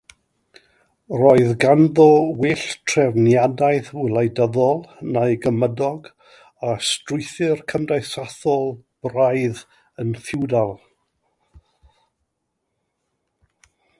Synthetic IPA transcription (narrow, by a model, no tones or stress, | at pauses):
rɔɨðɡanðɔwɪɬtʰrɛvnjadajθʊlˠajdəðɔlˠnajɡəmədɔɡ | astrʊɨθɪrkʰəmdajsaθɔlˠb̥rajð | ənθɪwdalˠ